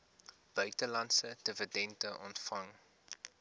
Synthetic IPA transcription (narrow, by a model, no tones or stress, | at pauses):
b̥œɥtəlɐntsəd̥əvədɛntəʔɔntfɐŋ